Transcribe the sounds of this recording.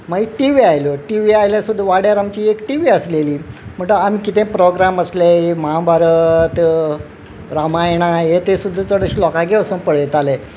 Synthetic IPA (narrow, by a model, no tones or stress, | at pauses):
maɡiʈiʋiajloʈiʋiajljasud̪ʱːʋaɽjaɾamt͡ɕiːekʈiʋiːəsleliːm̤əɳʈəamiːkit̪ẽpɾoɡɾaməsleeməɦãbaɾət̪ | ɾamajɳ̃ajet̪esud̪ʱːat͡səɽəɕilɔkaɡʱeʋsunpəɽjet̪ale